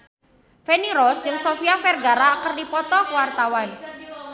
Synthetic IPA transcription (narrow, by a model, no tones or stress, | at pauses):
feniɾɔsd͡ʒɨŋsofiafɛrɡaɾakərdipɔt̪ɔkəwart̪awan